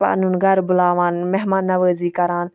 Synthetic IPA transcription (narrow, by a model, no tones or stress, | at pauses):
pa̰ːnuːnɡɐɾbʊlaːʋaːnmɛɦmaːnːɐʋəːziːkɐɾaːn